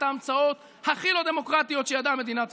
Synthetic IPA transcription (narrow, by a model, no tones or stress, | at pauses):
t̪aːmt͡sao̞t̪ | haχilo̞d̪e̞mo̞kʁat̪ijo̞t̪ʃejad̪ame̞d̪inat